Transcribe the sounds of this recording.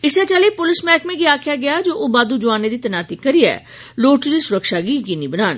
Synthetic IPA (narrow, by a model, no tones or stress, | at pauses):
ɪsɛt͡ʃalepʊlɪsmɛːkmẽɡiaːkʰjaɡɐjad͡ʒoːʔobaːd̪ud͡ʒʊaːned̪it̪ɐnaːt̪ikɐɾiɛ̰ː | loːʈd̪isʊɾəkʃaɡiɡinibɐnaːn